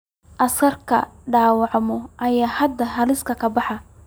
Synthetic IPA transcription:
ʔɐskɐrkʰɐ̰ɖaːwɑʕmɔʔɐjaːhɐd̪ːɐɦɐlɪskʰɐkʰɐbɑħɑ

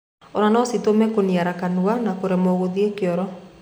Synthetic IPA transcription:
ɔɾanɔsitomɛkoniaɾakanuanakoɾɛmɔɣoðiekeɔɾɔ

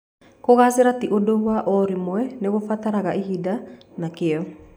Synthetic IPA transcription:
koɣaseɾatiʔodouaʔɔɾimoɛneɣofataɾaɣaʔiɦidanakeɔ

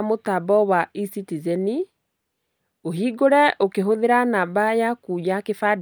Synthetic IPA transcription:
motabɔwaisitizɛni | oɦiɡoɾɛʔokeɦoðeɾanabajakujakefad

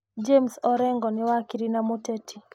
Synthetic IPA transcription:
d͡ʒemsɔɾɛŋɡɔnɪwakiɾinamotetʰi

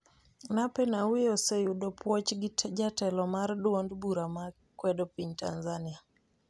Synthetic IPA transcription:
napɛnawɪjosɛjudopʰwɔt͡ʃɡɪd͡ʒatɛlɔmardwondbuɾama | kwɛdopiɲtanzania

